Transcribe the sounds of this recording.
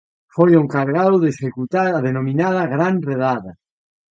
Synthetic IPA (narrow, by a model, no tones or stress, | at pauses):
fojoŋkaɾɣaðwðesekut̪aaðenominaðɐɣɾanreðaðɐ